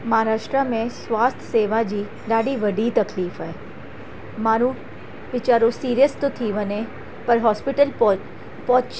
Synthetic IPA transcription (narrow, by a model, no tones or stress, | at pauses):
mɐɦaːɾaːʃʈɾamẽsʋaːst̪ʰseːʋad͡ʒiː | ɖaːɖiʋɐɖit̪ɐkliːfɦɛː | maːɾũ | ʋɪt͡ʃaːɾosiːɾijəst̪ot̪ʰiʋəne | pɐɾɦɔːspɪʈəl | pɔː